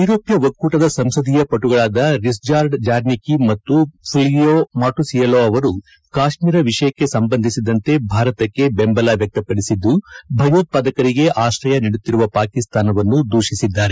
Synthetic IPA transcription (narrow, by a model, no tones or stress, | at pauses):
uɾoːpjɐʋɐkːuːʈɐd̪ɐsɐmsɐd̪ijɐpɐʈuɡɐɭaːd̪ɐɾisd͡ʒaːɾɖd͡ʒaːɾnikimɐt̪ːupʰilijomaːʈusijɐloːɐʋɐɾu | kaːʃmiːɾɐʋiʂɐjɐkːe̞sɐmbɐnd̪ʱisid̪ɐnt̪e̞bʱaːɾɐt̪ɐkːe̞bembɐlaʋjɐk̚t̪ɐpɐɽisid̪ːubʱɐjoːt̪̚pad̪ɐkɐɾiɡe̞ʔaːʃɾɐjɐniɽut̪ːiɾuʋɐpaːkist̪aːnɐʋɐnːud̪ʱuːʃisid̪ːaːɾe